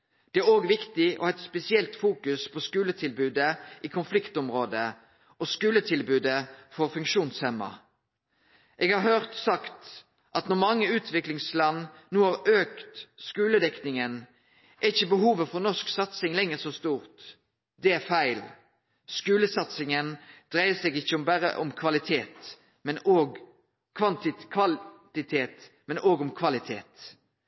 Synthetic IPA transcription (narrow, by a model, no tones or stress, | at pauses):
d̪̥ɛæɾoːɡʋɪkt̪ɪʔɔ̰hɛɪt̪spɛsɪɛlt̪fuːkʉspʰɔskʉːlət̪ʰɪlbʉːd̪əʔiːkʰʊnflɪkt̪ɔmʁoːd̪ə | ɔskʉːlət̪ʰɪlbʉːd̪əfɔʁfʉŋkʃuːnshɛmːɑ̰ | ʔeːɡhɑɾhœʁt̪sɑkt̪ | ʔɑt̪nɔʁmɑŋːəʉːt̪ʰʋɪklɪŋslɑnnuːhɑʁøːkt̪skʉːləd̪ɛknɪŋən | ʔɛɪçːəbəɦuːʋəfɔʁnɔsksɑt̪sɪŋlɛŋəʁsɔst̪uːʁt̪ | d̪ɛæʁfæɪl | skʉːləsɑt̪sɪŋənd̪̥ʁæɪəsɛːɡɪçːəʊmbæɾə̰ʔɔ̰mkʰʋɑlɪt̪ʰeːt̪ | mɛnoːɡ | kʰʋɑnt̪ɪkʰʋɑt̪ɪt̪ʰeːt̪ | mɛnʔoːɡɔmkʰʋɑlɪt̪ʰḛːt̪